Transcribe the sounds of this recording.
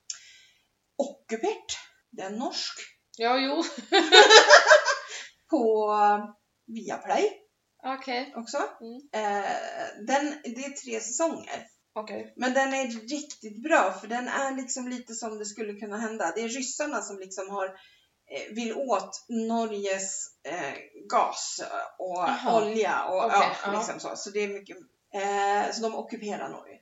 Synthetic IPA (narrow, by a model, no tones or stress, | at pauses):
ɔkːɵpʰɛʈː | d̪ɛænɔʂk | jɑːjuː | pʰɔ | viːa̰pʰlɛj | kʰɛɔksɔ | d̪ɛnd̪ɛæt̪ʰɾeːsɛsɔŋːə̰ɾ | kmɛnd̪ɛnæːɪkt̪ɪt̪bɾɑːfœɖɛnæɭɪksɔmliːt̪əsɔmd̪ɛskɵlːəkʰɵnːaɦɛnd̪ad̪ɛːɾɾʏsːaɳasɔmlɪksɔmhaɾ | vɪlːoːt̪nɔɾjəs | ɡɑ̰ːsɔɔlja̰ʔɔɑːlɪksɔmso̰ːsɔd̪ɛːɾmʏkːə | sɔd̪ɔmɔ̰kːɵpʰeːɾa̰ɳɔ̰ɾjə̰